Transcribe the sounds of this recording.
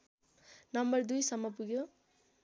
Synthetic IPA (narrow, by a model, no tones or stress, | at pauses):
nʌmbʌrd̪ujsʌmːʌpuɡjo